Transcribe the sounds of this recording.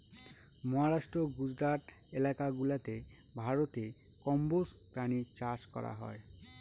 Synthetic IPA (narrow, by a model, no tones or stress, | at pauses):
mɔɦaɾaʃʈɾoɡud͡ʑɾaʈ̪ | elakaɡulat̪e | bʱaɾot̪e | kɔmbos | pɾanit͡ɕaʃkɔ̰ɾa̰ɦɔ̰e